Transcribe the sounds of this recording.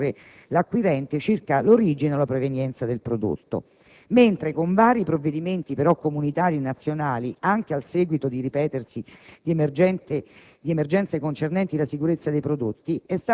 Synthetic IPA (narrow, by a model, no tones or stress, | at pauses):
ɾe | lakːwiɾɛnt̪et͡ʃirkaloɾiːd͡ʒineolapɾevenjɛnt̪sad̪elpɾod̪o̰t̪ːo̰ | ment̪ɾekoɱvaːɾipɾovːed̪iment̪ipeɾɔkːomunit̪aːɾienat̪sːjonaːliaŋk̟ealsɛːɡwit̪od̪iɾipɛːt̪ersid̪iemɛn | d̪iemerd͡ʒɛnt̪sekont͡ʃernɛnt̪ilasikuɾet̪sːad̪ejpɾod̪ot̪ːiɛst̪a